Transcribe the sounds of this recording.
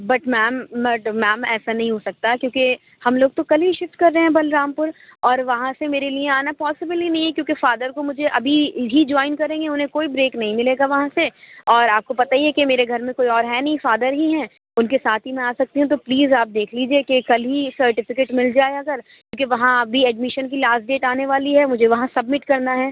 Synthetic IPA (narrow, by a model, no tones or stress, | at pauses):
bɐʈmɛːmːɐʈmɛːmɛːsanɐɦĩɦosɐk̚t̪akjõːke | hɐmloːɡ̚t̪okɐlɦiʃɪfʈkɐɾːeɦeɦɛ̃bɐlɾaːmpʊɾɔːɾʋɐɦãsemeːɾeliẽaːnapɔːsɪbəlinɐɦĩɦɛ̃kjõːkefaːd̪əɾkomʊd͡ʒʱeʔɐbʱiɦid͡ʒɔːɪnkɐɾẽːŋɡeʊnɦẽkoːibɾeːknɐɦĩmɪleːɡaʋɐɦãseɔːɾaːp̚kopɐt̪aiekemeːɾeɡʱɐɾmẽkoːiɔːɾɦɛnɐɦĩfaːd̪əɾɦiɦɛ̃ː | ʊnkesaːt̪ʰimɛ̃aːsɐk̚t̪eɦũt̪̬opliːzaːp̚d̪eːkʰliːd͡ʒiekekɐlɦisɐɾʈɪfɪkeːʈmɪld͡ʒaːeɐɡəɾkjõːkeʋɐɦãɐbʱiɛɖmɪʃənk̬ilaːsʈɖeːʈaːneʋaːliɦɛmʊd͡ʒʱeʋɐɦãsɐbmɪʈkɐɾnaɦɛː